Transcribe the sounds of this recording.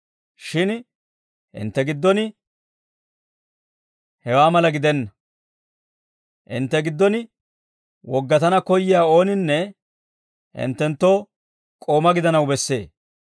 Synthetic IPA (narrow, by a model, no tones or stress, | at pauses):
ʃɪn | ʔɪ̰nt̪ːɛɡɪd̪ːɔnɪ | hɛwaːmɐlɐɡɪd̪ɛnːɐ | ʔɪ̰nt̪ːɛɡɪd̪ːɔnɪ | wɔɡːɐt̪ɐnɐkɔjːɪjaːo̞ːnɪnːɛ | ɪ̰nt̪ːɛnt̪ːo̞ː | kʼo̞ːmɐɡɪd̪ɐnɐwbɛsːe̞ː